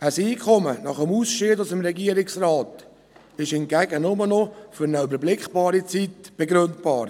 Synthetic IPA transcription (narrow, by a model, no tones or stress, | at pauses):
əsiːkʰɔmənɑχəmusʃɪːdʊsəmɾɛɡiəɾɪksraːt̪ | ɪʃɪmɡ̥æɡənʊmənɔfʏɾnəybəɾblɪkχb̥ɑːɾit͡sitb̥eɡɾøntb̥ɑːɾ